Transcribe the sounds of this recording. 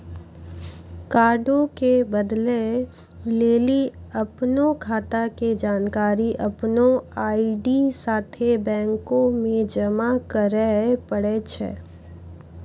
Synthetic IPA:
kaːɾɖõkebəd̪le | leːliɐpnokʰaːt̪aked͡ʒaːnkaːɾiʔɐpnoaːiɖisaːt̪ʰebɛ̃ːŋkõmẽd͡ʒɐmakəɾɛpəɽet͡ʃʰɛ̰ː

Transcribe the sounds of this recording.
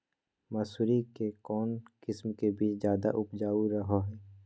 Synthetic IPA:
mɐsuːɾikekɔːnkɪsmkebiːt͡ʃzjaːd̪aʔʊpd͡ʒaːuɾɐɦoɦɛː

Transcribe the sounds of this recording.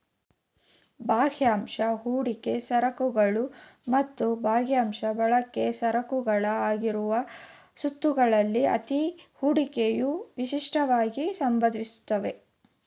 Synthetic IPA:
bʱaːɡjaːmʂɐɦuːɽike̞sɐɾɐkuɡɐɭumɐt̪ːubʱaːɡjaːmʃɐbɐɭɐkːe̞sɐɾɐkuɡɐɭɐaːɡiɾuʋɐsut̪ːuɡɐɭɐlːiɐ̰t̪ihuːɽikejuʋiʃiʂʈɐʋaːɡisɐmbɐd̪ʱʋisu̥t̪ːɐʋe̞

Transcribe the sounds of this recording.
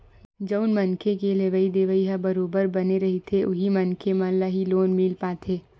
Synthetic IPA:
d͡ʒəʊnmɐnkʰekeleʋəid̪eːʋəiɦabɐɾoːbəɾbɐneɾɐɦit̪ʰeʔʊɦimɐnkʰemɐ̃ːlaɦiloːnmilpaːt̪ʰeː

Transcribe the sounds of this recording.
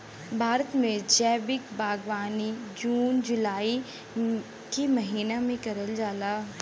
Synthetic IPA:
bʱaːɾət̪mẽd͡ʒɛːbɪkbaːɡʋaːnid͡ʒuːnd͡ʒʊlaːi | kemɐɦiːnamẽkɐɾəld͡ʒaːlaː

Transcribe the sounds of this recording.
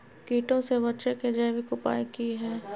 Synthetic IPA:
kiːʈõsebɐʃeked͡ʒɛːʋikʊpa̰ːikiɦɛː

